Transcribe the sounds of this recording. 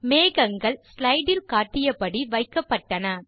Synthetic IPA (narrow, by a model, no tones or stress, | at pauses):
meːɣɐŋɡɐɭslɐɪɖɪlkaːʈːɪjɐpɐɽiʋɐɪkːɐpːɐʈːɐnɐ